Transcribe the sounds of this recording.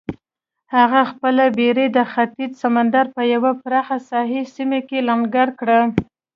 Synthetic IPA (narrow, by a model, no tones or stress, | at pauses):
haɣaxpəlabeɾed̪əxat̪id͡ʒsamand̪aɾpəjawapɾɑxasɑɦisimekelaŋɡaɾkɽa